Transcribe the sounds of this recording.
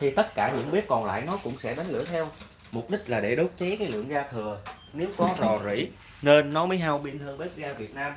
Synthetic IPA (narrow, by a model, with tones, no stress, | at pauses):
t̪ʰi˨˩t̪ə˦˥t̚kaː˧˩ɲɨ̰˧˥ŋɓi˦˥ət̚kɔ˨˩nla̰ː˧˨jnɔ˨˦kʊ̰˧˥ŋ͡msɛ̰˧˥ɗa˨˦ŋ̟lɨ̰˧˩ət̪ʰɛ˧w | mʊ˨˩k͡p̚ɗï˦˥k̟̚laː˨˩ɗe˧˩ɗo˨˦˥w̚t͡ɕe˨˦kaː˨˦jlɨ̰˧˨əŋɣaː˧t̪ʰɨ˨˩ə | ne˨˦wkɔ˨˦zɔ˨˩zḭ˧˥˨ | ne˧nːɔ˨˦məː˨˦jɦa˧wɓi˧ənt̪ʰə˧ŋɓi˦˥t̚zaː˧vi˨˩ət̚naː˧m